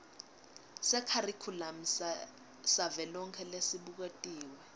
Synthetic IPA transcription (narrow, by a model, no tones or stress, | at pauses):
sɛkʰarikʰulam̩s | savɛlɔŋkʰɛlesiɓuk̬etʼiːwɛ